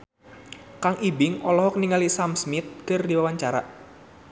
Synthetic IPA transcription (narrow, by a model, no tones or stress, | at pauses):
kaŋʔibɪŋɔlɔɦɔkniŋalisamsmit̪̚kərdiwawaɲt͡ʃaɾa̰ʔ